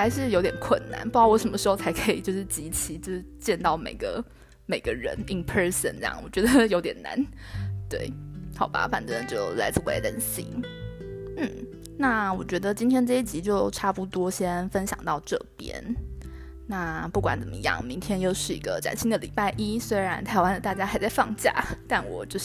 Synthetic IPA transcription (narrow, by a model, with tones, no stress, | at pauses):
a˧˥ɪʂɻ̩˥˩jo˧˥t̪jɛ˨˩nkʰwə˥˩nna̰˧˥npu˧˥kwwɔ˧˥ʂə˧˥mə˦ʂɻ̩˧˥xo˥˧ʊt͡sʰa˧˥ɪkʰə˧˥ḭ˨˩t͡ɕjo˥˧ʂɻ̩˥˩t͡ɕi˧˥t͡ɕʰi˧˥t͡s̩˥˧˩t͡ɕjɛ˥˧nt̪ɑ˥˩ʊmḛ˨˩ɪɡə̰˧˦ | me˨˩ɪɡə˦ɻə̰˧˥ni˧˥npʰə˥sə̰˨˩nt͡sjɑ̰˥˩ŋwɔ̰˨˩t͡ɕɥɛ˧˥d̪ə˧jo˧˥ʊt̪jɛ̰˨˩na̰˧˥n | t̪wḛ˥˩ɪxɑ˨˩ʊba̰˧˦fa̰˨˩nʈ͡ʂə˥nd̪ə˨˩t͡ɕjo˥˩ʊla˧˥ɪt͡s̩˥˩wḛ˧˥t̪ə̰˨˩nɕḭ˥ŋ | n̩˥˩ | na˥˩wɔ˨˩t͡ɕɥɛ˧˥d̪ə˧t͡ɕi˥nt̪ʰjɛ˥nʈ͡ʂɤ˥˧i˥˩t͡ɕi˧˥t͡ɕjo˥˩ʊʈ͡ʂʰa˥pu˥˩t̪wɔ˥ɕjɛ˥nfə˥nɕjɑ̰˨˩ŋt̪ɑ˥˧ʊʈ͡ʂɤ˥˧˩pjɛ̰˥n | na˥˩pu˥˩kwa̰˧˥nt͡sə˨˩mə̰˦jɑ̰˥˩ŋmi˧˥ŋt̪ʰjɛ˥njo˥˧ʊʂɻ̩˥˩i˧˥ɡə̰˧ʈ͡ʂa̰˨˩nɕi˥ŋd̪ə˨˩lḭ˨˩pa˥˩ɪʔi˥swe˥ɪɻa˧˥nt̪ʰa˧˥ɪwa˥˧nd̪ə˨˩t̪a˥˩t͡ɕja˥xa˧˥ɪt͡sa˥˧ɪfɑ˥˧ŋt͡ɕja̰˥˩t̪a˥˩nwɔ̰˨˩t͡ɕjo˥˧ʊ